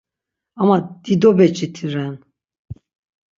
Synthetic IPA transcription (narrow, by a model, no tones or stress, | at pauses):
amad̪̥id̪ɔbɛt͡ʃʼit̪ʰiɾɛn